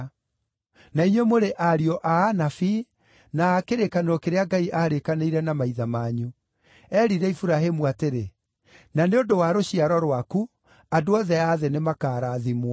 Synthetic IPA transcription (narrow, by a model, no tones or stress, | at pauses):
naiɲwɛmoɾeʔaɾiɔʔaːnafi | naːkeɾekaneɾɔkeɾeaɡaiʔaːɾekaneiɾɛnamaiðamaːɲu | ɛɾiɾɛifuɾaɦemuateɾe | naneondowaɾoɕiaɾɔɾwaku | adoɔðɛaːðenemakaːɾaːðimwa